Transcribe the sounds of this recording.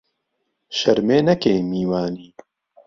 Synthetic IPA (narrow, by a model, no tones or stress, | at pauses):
ʃɐɾmeːnɐkeːmiːwaːniː